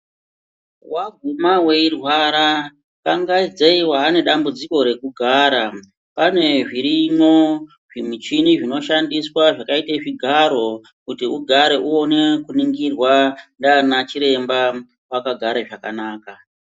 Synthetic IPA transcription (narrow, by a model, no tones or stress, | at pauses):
waɡ̚ʱumawe̞irwaɾa | kaŋɡaid͡zeiwaːne̞ɗambud͡ziko̞ɾe̞kuɡʱaːɾa | pane̞ʐiɾino̞ | ʐ̥imit͡ʃiniʐino̞ʃandiswaʐakaitaʐiɡʱaɾo̞ | kutiuɡʱaɾe̞ʔuo̞ne̞kuniŋɡirwandanat͡ʃiɾe̞mba | wakaɡʱaɾaʐaka̰naːka